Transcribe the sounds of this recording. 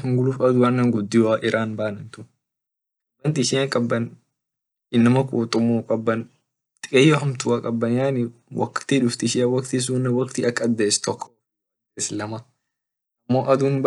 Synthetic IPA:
ɪŋɡʊluːfɐd̪ʊwɐnːɐŋɡʊd̪ːɪwaʔɪɾʔaːnbaːnɐnt̪ʊ | kʼɐbːɐnt̪ɪʃɪakʼɐbːɐn | ʔɪnːɐmɐkʼuːt̪ʼʊmːuːkʼɐbːɐn | t̪ʼɪkʼejːoɦɐmt̪ʊwakʼɐbːɐnjaːnɪ | wʔɐ̰kt̪iᶑʊft̪ɪʃɪɐwɐkt̪ɪs̬uːnːɐwɐkt̪iɐkːɐd̪ːeːst̪ɔkʰːɔwɐ | d̪eslɐmɐ | ʔɐmːoːʔɐd̪unb

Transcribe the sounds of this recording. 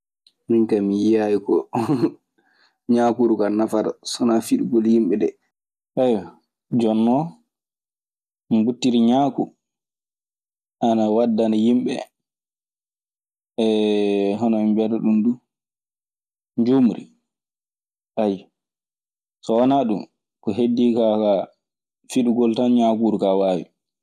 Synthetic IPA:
miŋkamijijajikɔ | ɲakuɾukanafada̰sɔnafiɗuɡoljimɓɛɗɛ | ʔajɔ | d͡ʒɔnːɔ | mbutːiɾiɲaːkṵ | anawadːanajimɓɛ̰ | ɛɦɔnɔimbɛɾɛɗundu | ɲd͡ʒomuɾḭ | ʔaji | sɔwanaɗum | kɔɦedːikaka | fiɗuɡɔltanɲaːkuɾukawaːwḭ

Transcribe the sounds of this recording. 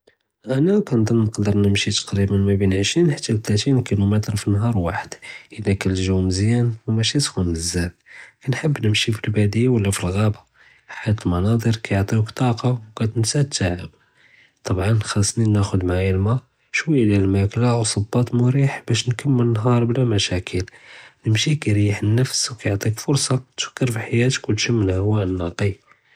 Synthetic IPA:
ʔænækænd̪ˤənnqd̪əɾˤnəmʃit̪ɑ̥qɾibənmæbinʕəʃɾinħət̪ːælt̪læt̪inkilumət̪ɾfinɦɑɾˤwaħəd̪̥ʔəlːækælʒæwməzjænwmæʃisxunəzːælkænħəbːnəmʃifilbæd̪əjːawəlːæfilɣæba | ħajæt̪əlmɑnɑd̪ˤəɾkæjoʕt̪ˤiwkt̪ˤɑqɑwkæt̪ənsæt̪ːaʕəb | t̪ˤɑbʕɑnːxɑsˤninæxʊd̪maʕilma | ʃwəjːælælmæklawsˤəbːɑt̪mʊɾiħbæʃnkəmːələnɦɑɾˤblæmæʃækʰəlnəmʃikæɾijəħənːəfswkæjoʕt̪ˤikfʊɾsˤɑt̪fkːəɾfiħajæt̪ə̥kwt̪ʃəmːəlhæwæʔənːɑqi

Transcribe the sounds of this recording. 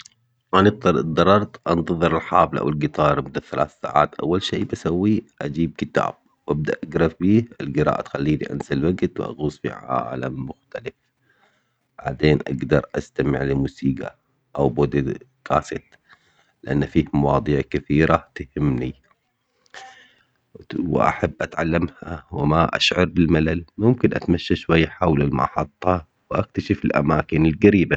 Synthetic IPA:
mant̪ːd̪ˤːɑɾˤɑɾˤt̪ʔɑnt̪ɑðˤɨɾɪlħaːblaʔa̰wɪlɡɪt̪ˤɑːɾˤʔmʊd̪aθalaːθsa̰ːʕa̰ːt̪ʔa̰wːalʃeːbasawːiʔad͡ʒiːb̚kɪt̪a̰ːb̥̚ | wʔab̚d̪aʔaɡɾˤɑfbiːɪlɡɪɾˤa̰ːʔat̪xalːiːlḭʔa̰nsalwaɡt̪wʔa̰ɣuːsfḭʕa̰ːla̰mːʊxt̪alɪf | b̥aʕd̪eːnʔa̰ɡd̪ɑɾˤʔast̪amɪʕlɪmuːsiːɡa̰ | ʔawbod̪ | ɡaːsɪt̪ | lɪʔanːfiːhmɑwɑːd̪ˤiːʕkɪθiːɾat̪ahɪmːni | wʔa̰ħabːʔat̪ʕalːamhawɪmaʔa̰ʃʕɑɾˤbɪlmalalmʊmkɪnʔat̪maʃːaʃwajːaħawlalmɑ̰ʔħɑt̪ˤːɑ | wʔak̚t̪aʃɪfɪlʔa̰maːkɪnɪlɡaɾiːba

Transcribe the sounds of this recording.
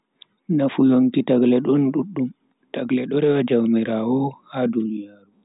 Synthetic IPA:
nafuloŋtitaɡlɛɗɔnɗuɗːum | taɡlɛɗɔɾɛwad͡ʒawmiɾawɔhadunijaːɾu

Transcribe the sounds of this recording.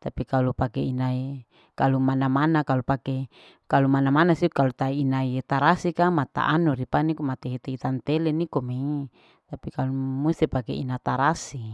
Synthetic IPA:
t̪apikalupakeinai | kalumanamanakalupake | kalumanamanasikalut̪ainaiet̪aɾasikamat̪a̰ʔanuɾipanikomat̪eɦet̪eit̪ant̪elenikome | t̪apikalumust̪ipakḛinat̪aɾasi

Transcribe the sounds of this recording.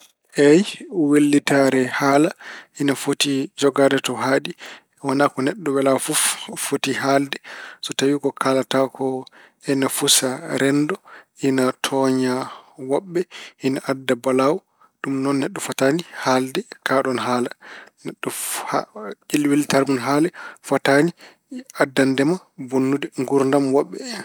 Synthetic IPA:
ʔɛjwelːitaɾɛhaːlaʔinafotid͡ʒɔɡadɛtɔɦaɗi | wanakɔnɛɗːɔwɛlafuffotiɦaldɛsɔtawikɔkʰalatakʰɔ | ɛnafusaɾɛndɔʔinatʰɔɲawɔɓːɛhinaʔadːabalawɔ | ɗumnɔnːɛɗːɔfatanihaldɛkaɗɔnɦaːlanɛɗːɔhat͡ʃilwiltaɾmunɦaːlɛfatani | adːandɛma | bonːudɛŋɡuɾndamwɔɓːɛ

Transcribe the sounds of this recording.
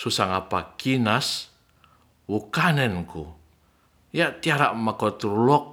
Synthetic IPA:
susaŋapakinas | wukanɛnku | jaʔt̪iaɾaʔmakɔt̪uɾulɔk̚

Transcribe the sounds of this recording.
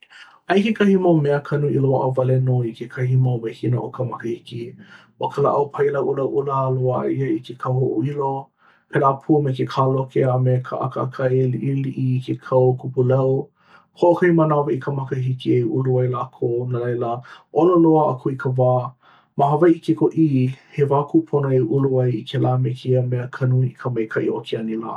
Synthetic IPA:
ʔɐjkekʰɐhimawmɛəkʰɐnuiloaʔəvɐlenoikʰekʰɐhimawmehinəʔokʰəmɐkəhiki | wokʰəla̰ʔɐwpʰɐjlɐwʔulɐwʔuləloa̰iəikʰekʰɐwhoʔuilo | pelaːpʰumekekʰaːlokeamekʰə̰ʔa̰kəa̰kʰɐeliʔiliʔikʰekʰɐwkupulɐw | hoʔokʰɐjmanaviʔikʰəmɐkəɦikieʔuluɐjlaːkʰownalɐjləʔololoaʔakʰoikəvaː | maɦavɐʔikekoʔihevaːkupʰonoeʔuluɐjikʰelaːmekʰiəmeəkʰɐnuiikʰəmɐjkʰɐʔḭʔokʰeɐnila̰ː

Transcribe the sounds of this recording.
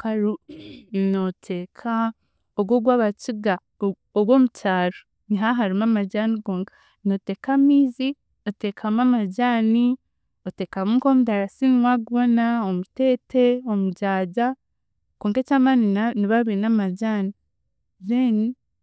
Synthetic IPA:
kaɾu | notʰekʰa | oɡwoɡwaβat͡ʃiɡaː | ɡwomucaːɾo | niɦaɦaɾimamaɟanikoːŋka | noteːkamiːzi | oteːkʰamamaɟaːni | oteːkamuːŋkomudaɾasinwaɡβonaomuteːte̞omuɟaːɟa | koːŋkecamaninaniβaβiinamaɟani | zeni

